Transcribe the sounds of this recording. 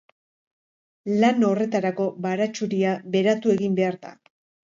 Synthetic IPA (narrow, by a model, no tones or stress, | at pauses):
lano̞re̞t̪aɾako̞βaɾat͡ʃuɾiaβe̞ɾat̪ue̞ɣimbe̞aɾða̰